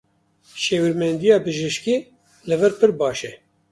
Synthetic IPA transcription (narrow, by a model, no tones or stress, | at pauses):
ʃeːwiɾmɛnd̪ijɑːbɨʒɪʃkiː | lɨvɛɾpʰɨɾbɑːʃɛ